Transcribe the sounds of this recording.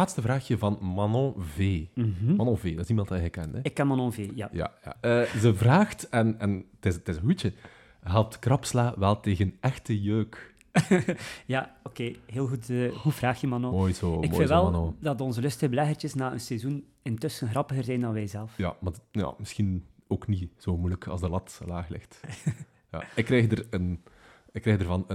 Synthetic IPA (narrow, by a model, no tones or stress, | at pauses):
aːtstəvraːxjəvɑnmɑnɔ̃veːm̩ɦ̩mɑnɔ̃veːdɑɪsimɑnt̚dɑjɦɛjkɛntɛɪkːɛnmɑnɔ̃veːja̰ja̰ja̰əzəvraːxtɛnɛntɪztɪzə̃nɦuə | ɦɛlˠp̚tkrɑpslaːʋɛlˠteːɣənɛxtəjøːk | jaːokeːɦeːlˠɣutəhuvraːxjəmɑnomoːjzoːɪmkofːɪlʋɛlˠɑnoːdɑtɔnzəlɵstəɣəbəlɛɣərt͡ʃəsnaːənsɛzun | ɪntɵsənɣrɑpəɣərzɛjndɑnʋɛjzɛlˠfja̰maja̰mɪsxinoːkniz̥oːmujləkʰɑ̰zdəlɑtlaːxlɪ̰xt | ja̰ɪkːrɛjɣdərən | ɪkːrɛːɣdərvɑnə